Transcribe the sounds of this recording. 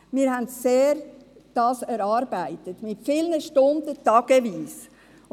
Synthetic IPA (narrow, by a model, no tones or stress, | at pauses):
mɪːɾɦæntseːɾd̥ɑːsɛɾɑːɾbæɪtətmɪtfɪlnəʃtʊndətɑɡ̥əʋiːs